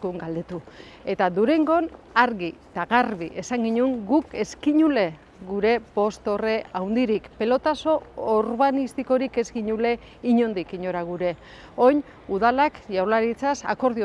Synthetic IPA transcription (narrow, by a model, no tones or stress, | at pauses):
kuŋɡald̪e̞t̪u | e̞t̪aðuɾe̞ŋɡo̞n | aɾɣit̪aɣarβiʔe̞saŋɡiɲuŋɡuke̞skiɲule̞ | ɡuɾe̞po̞st̪o̞re̞awnd̪iɾikpe̞lo̞t̪aso̞ːɾβanist̪iko̞ɾike̞zɣiɲule̞ | iɲo̞nd̪ikiɲo̞ɾaɣ̞uɾe̞ | o̞jɲ | uðalakʝawlaɾit͡sasa̰ko̞ɾðio